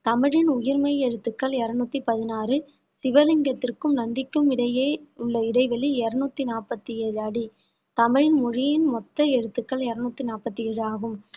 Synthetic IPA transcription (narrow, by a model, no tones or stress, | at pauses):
t̪ɐmɪɻɪnʊjɪɾmɐɪɛɻɯt̪ːɯkːɐɭɛɾɐnuːt̪ːipɐðɪnaːrɯ | sɪʋɐlɪŋɡɐt̪ːɪrkɯmnɐnd̪ɪkːɯmɪɽɐjeːʊɭːɐɪɽɐɪʋɐliɛɾɐnuːt̪ːinaːrpɐt̪ːieːɻɯɐɽi | t̪ɐmɪɻɪnmʊɻɪjɪnmɔt̪ːɐɛɻɯt̪ːɯkːɐɭɛɾɐnuːt̪ːinaːpɐt̪ːɪɛːɻɯaːɣɯm